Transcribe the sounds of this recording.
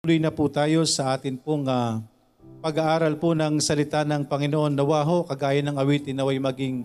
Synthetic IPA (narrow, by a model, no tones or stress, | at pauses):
ulʊjnɐpʊt̪aːjo̞sɐʔaːt̪ɪnpʊŋa | pɐɡaʔaːɾɐlpʊnɐŋsɐlɪt̪anɐŋpɐŋɪnoʔo̞nːɐwaːɦoʔkɐɡaːjɐnɐŋɐwiːt̪ɪnɐwajmɐɡɪŋ